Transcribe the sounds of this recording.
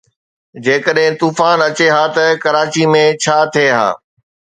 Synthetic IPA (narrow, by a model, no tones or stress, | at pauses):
d͡ʑeːkəɗɦɪ̃t̪uːfaːnɐt͡ɕeɦaːt̪ɐkɐɾaːt͡ɕimẽt͡ɕʰaːt̪ʰieɦa̰ː